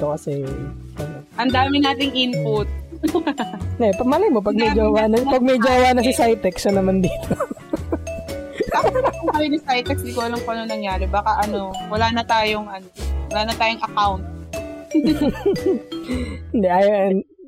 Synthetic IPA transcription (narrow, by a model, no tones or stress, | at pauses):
t̪okɐsɛjʊŋ | ɐnɐʔɐnd̪aːmɪnaːt̪ɪŋʔinpʊt̪̚ | ɛpɐmalɐjmop̬ɐɡ̚mɛd͡ʒowanɐpɐɡ̚mɛd͡ʒoɐwaːnɐs̬ɪsajt̪ɛksɐnɐmand̪iːt̪o | aɐɐŋɐɾɪnɐsajt̪ɛksɪɡuːloŋpoʔɐnoŋnɐŋjaːɾɛbaːkɐʔɐno̞wɐlaːnɐt̪aːjoŋʔɐnowɐlaːnɐt̪aːjoŋʔɐkawnt̪̚ | ɪnd̪ɛʔaːjn